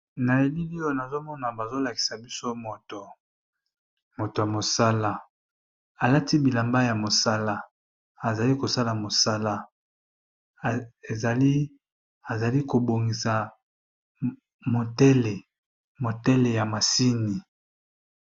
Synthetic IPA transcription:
na˨e˨li˦li˦o˦˨na˨zo˦mɔ˦na˨ba˨zo˦la˨ki̥˨sa˨bi˦so˦mo˨to˨ | mo˨to˨ja˨mo˨sa˦la˦ | a˨la˦ti˦bi˨la˨mba˦ja˨mo˨sa˦la˦ | a˨za˨li˦ko˨sa˦la˨mo˨sa˦la˦ | e˨za˨li˦ | a˨za˨li˦ko˨bo˨ŋɡi˨sa˨ | mo˨tɛ˦le˨ | mo˨tɛ˦le˨ja˨ma˨si˦ni˨

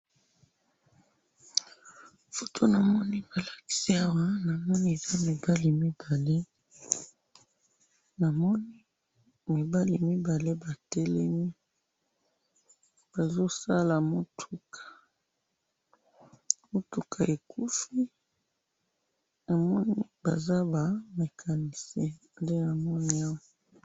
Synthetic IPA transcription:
fo˨tʰo˦na˨mɔ˦ni˦ba˨la˨ki̥˦si˦a˦wa˦na˨mɔ˦ni˦e˨za˦mi˨ba˦li˨mi˦b̥a˨le˦ | na˨mɔ˦ni˦ | mi˨ba˦li˨mi˦ba˨le˦ba˨tɛ˦lɛ˦mi˦ | b̥a˨zo˦sa˦la˨mo˦tʰu˨kʰḁ˨ | mo˦tu˨ka˨e˨kʰu˦fi˦ | na˨mɔ˦ni˦ba̰˨za˦ba˨me˨kʰa˨ni˨se˨ | nde˦na˨mɔ˦ni˦a˦wa˨

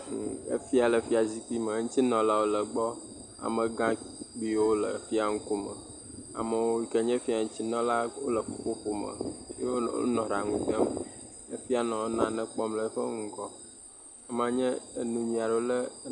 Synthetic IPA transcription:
ə̰˦fi˦a˨lə˨fi˦a˨zi˦ki˦mə˨˦ŋũ˦t͡ɕi˦nɔ̃˨la˦wo˦lə˨ɡ͡bɔ˦ | a̰˨mə̃˨ɡã˦ɡ͡bi˦wo˦lə̰˨fi˦a˨ŋ̩˦ko˦mə̰˨ | a̰˨mə˨wo˦i˨kə˦ɲɛ̃˦fi˦a˨ŋ̩̃˦t͡ɕi˦nɔ̃˦la˦wo˦lə˨fo˦˨ɸo˦ɸo˦mə̰˨˦e˦o̰˦nɔ̃˨ɾa˨ŋũ˨t̪ə˦m | ə˦fi˦a˨nɔ̃˨wo˦nã˨nɛ̃˦k͡pɔ˦mlə˦ɸə˦ŋu˨kɔ˦ | a˨m˦˨ã˨ɲɛ̃˦ə˨nũ˨ɲĩ˨a˨ɖə˦wo˦lə˦

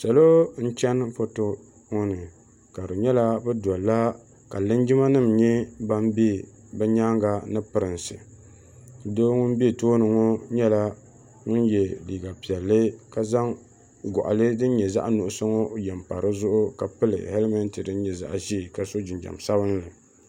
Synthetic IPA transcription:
sa˨lo˦n̩˦t͡ʃɛ˦nfo˦to˦ | ŋɔ˦nɨ˨ | ka˨ɾɨ˨ɲɛ˦la˦bɛ˦dɔ˨llːa˦ | ka˨lɨ˦nd͡ʒɪ˦ma˦nɨ˦˨mɲɛ˦ba˦m˦be˦ | bɛ˦ɲaː˦ŋɡa˨nɨ˦pɨ˨ɾɨ˨nsɨ̰˨ | doː˦ŋʊ˦n˦bi˦e˦˨toː˦nɨ˨ŋo˦ɲɛ˦la˦ | ŋʊ˦njɛ˨liː˨ɡa˨pi˨ɛ˨lːɨ˦ka˨za˦ŋ | ɡɔ̰˨ʔa̰˨lɨ˦dɨ˦n˦ɲɛ˨za̰˦ʔa˦nu˨ʔʊ˦so˦ŋo˦˨jɛ˨mpa̰˨ɾɨ˦zʊ˦ʔʊ˦ka˨pɨ˦lɨ̰˨hɛ˦lmɛ˦n˦tɨ˨dɨ˦n˦ɲɛ˨za̰˨ʔʒi˦˨ka˨so˦d͡ʒɪ˨nd͡ʒa̰˨msa˦bɨ˦nlɨ˨

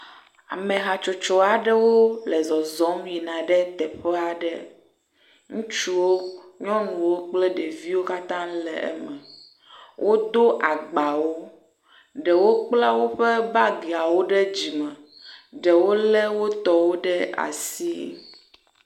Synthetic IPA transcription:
a̰˨mẽ˨ɦa˨t͡ʃo˨t͡ʃɔ˦a˨ɖɛ˦wo˦lɛ˨zɔ˨zɔ̃˨˦mvi˨nã˨ɖɛ˦t̪ɛ˨ɸɛ˦a˨ɖɛ˦ | ŋũ˦t͡ʃu˦wo˦ɲɔ̃˦nũ˨wo˦k͡plɛ˦ɖɛ˨vi˦wo˦ka˦t̪ã˦lɛ̰˨ɛ̰˦mɛ̃˨ | wʔo˦d̪o˦ʔa˨ɡ͡ba˨wo˦ | ɖɛ˨wo˦k͡plɛ˦wo˦ɸe˦ba˦ɡe˨a˨wo˦ɖe˦d͡ʑi˨mɛ̃˨ɖɛ˨wo˦lɛ˦wo˦t̪ɔ˦wo˦ɖɛ˦a̰˨si˦

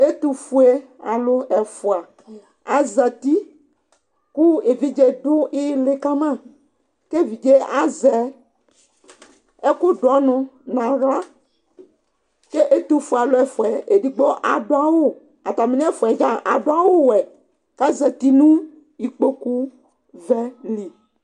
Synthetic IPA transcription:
e˦t̪u˦fu˦e˦ | a˨lo˦ɛ˨fo˨a˨ | a˨zɛ˨t̪i˦ | ku˦e˨vi˦d͡ʒe˦ɖo˦e˦le˨ka˦mã˦ | ke˦vi˨d͡ʒe˦a˨zɛ˨ | e˦ko˦ɖɔ˦nɔ̃˨nã˨ɣla˦ | ke˦ʔe˦t̪u˦fu˨a˨lo˦ɛ˨fo˨ɛ˨e˨ɖi˨ɡ͡bɔ˦ʔa˨ɖo˦a˨wo˦ | a˨t̪a˨me˨˦nĩ˦ɛ˦fo˨ɛ˨d͡ʒa˦ʔa˨ɖo˦a˨wo˦wɛ˨ | ka˦zɛ˨t̪i˦nũ˦ | i˨k͡po˦ku˦ | vɛ˦li˨

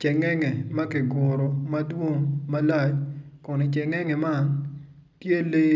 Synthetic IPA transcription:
t͡ʃɛ˨ŋɛ˦ŋɛ˨mɐ˦kɪ˨ɡʊ˨ɾɔ˨mɐ˦dwo˦ŋma˦la˦t͡ʃkɔ˨ne˨t͡ʃɛ˨ŋɛ˦ŋɛ˨ma˦n | tje˦le˦

